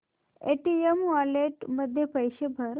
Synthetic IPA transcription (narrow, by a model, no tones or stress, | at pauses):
eʈiemʋaleʈməd̪ʱːjepəjɕebʱəɾ